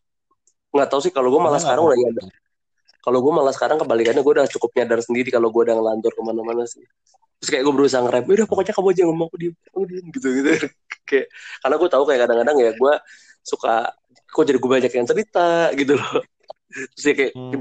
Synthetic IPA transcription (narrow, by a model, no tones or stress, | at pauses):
ŋɡaʔt̪ausɪhkaloɡuamalasə̥kaɾaŋudaɲadar | kaloɡuamalahsə̥kaɾaŋkəmbalikadaɡuadaŋt͡ʃukʊp̚ɲadarsəndiɾikaloɡuadaŋlant̪ɔrkəmanamanasɪh | t̪ɾʊskajaʔɡuabəɾus̬aaŋəɾapɛdahpokoɲakamuad͡ʒaŋɡamaakudim | audinɡit̪uɡit̪uja | kajaʔkarnaɡuat̪aukajakadaŋkadaŋjaɡua | suka̰ | kod͡ʒadiɡuabaɲakjaŋt͡ʃəɾit̪aɡit̪ulɔh | t̪ɾʊsjakaja